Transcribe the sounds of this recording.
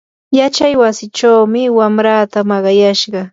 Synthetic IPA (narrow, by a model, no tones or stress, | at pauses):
jat͡ʃajwasɪt͡ʃawmɪwamɾaːt̪amɑɢɑjaʃɢɑ